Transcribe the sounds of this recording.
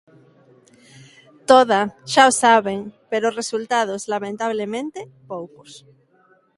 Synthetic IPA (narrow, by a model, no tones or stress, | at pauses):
t̪oð̞aʃaosaβeŋpeɾoresult̪að̞ozlamẽnt̪aβlemẽnt̪epowkos